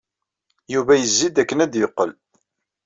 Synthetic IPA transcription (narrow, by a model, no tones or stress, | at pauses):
juvæjəzːid̪ækːənæd̪jəqːəl